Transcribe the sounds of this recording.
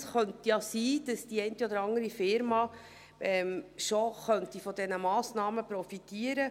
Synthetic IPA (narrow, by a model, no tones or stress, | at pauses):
sχœntjɑsiːd̥ɑsd̥iɛɪntiodəɾɑŋəɾifɪɾmɑ | ɛmʃoχœntifɔdɛnəmɑːsnɑːməpɾɔfitiːəɾə